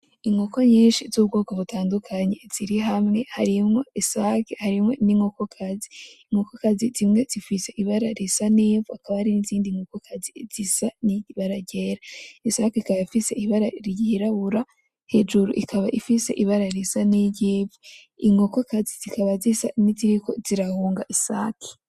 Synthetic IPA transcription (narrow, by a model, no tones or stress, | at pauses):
iŋɡoko̞ɲiːnʃizubɡoːɡoβutʰaːndukʰaɲe̞z̥iɾiɦamŋe̞haɾimŋo̞isaːkehaɾimŋe̞niŋokokʰaziː | ŋokokazizimŋe̞z̥ifise̞ʔiβaɾaɾisaniːvuakaβahaɾiniziːndiŋɡokokʰazḭz̥isaniβaɾaɟeːɾaisakeikaβaifise̞iβaɾaɾjiiɾaβuɾa | he̞d͡ʒuɾṵʔikʰaβaʔifise̞ʔiβaɾaɾisaniɟiːvu | iŋɡokokaziz̥ikaβazisa̰niziɾiko̞ziɾahuːŋɡaʔisaːkʰi̥